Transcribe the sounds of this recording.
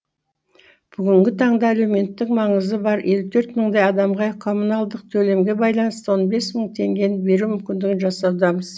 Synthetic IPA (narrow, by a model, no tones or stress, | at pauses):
b̥ʏɡʲɪŋɡʲɪt̪ʰɑɴd̪ɑːlewme̞nt̪ːɪkmɑɴəzəbɑɾʔe̞lut̪ʰɵɾt̪məɴd̪ɑjɑd̪ɑmʁɑqʰo̞munɑlˠd̪əq̚t̪ʰɵle̞mɡʲe̞bɑjlˠɑnəst̪əwo̞nbe̞sməɴt̪ʰe̞ŋɡʲe̞nɪbe̞ɾumʏmkʲɪnd̪ɪɡʲɪnʒɑsɑwd̪ɑməz̥